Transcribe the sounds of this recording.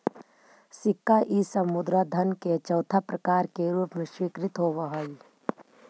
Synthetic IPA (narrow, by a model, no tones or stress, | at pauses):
sɪkːaʔisəmʊd̪ɾad̪ʱɐnket͡ʃɐwt̪ʰapɾɐəkaːɾkeɾuːpmẽʃwikɾɪt̪ɦoːʋəɦəi